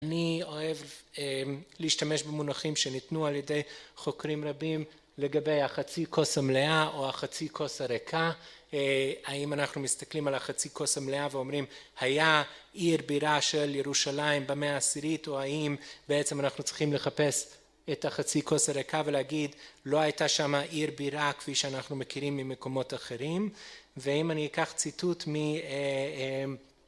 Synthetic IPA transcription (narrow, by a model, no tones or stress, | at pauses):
anio̞e̞veliːʃtame̞ʃbemunaχimʃe̞nitnualjede̞jχo̞kɾimʁabim | le̞ɡabe̞jhaχat͡sikʰo̞samleaʔo̞aχat͡sikʰo̞saɾekʰa | haimanaχnumist̪aklimalaχat͡sikʰo̞samleaveo̞mʁimhajaʔiʁbiʁaʃe̞ljeʁuʃalaimbemeaːsiʁito̞aimbeet͡semanaχnut͡sʁiχimle̞χape̞s | etaχat͡sikosaʁekaveleaɡidlo̞hajtaʃamaʔiʁbiʁakfiʃeanaχnume̞kiʁimːime̞ko̞mo̞taχe̞ʁimveimaniikaχt͡situtmiem